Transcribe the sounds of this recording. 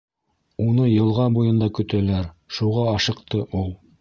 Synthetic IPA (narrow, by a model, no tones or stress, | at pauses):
unɤjɤ̆lˠʁɑbujɤ̆nd̪ɑkɵ̆t̪ælæɾʃuʁɑɑʃɤ̆qt̪ɤʔulˠ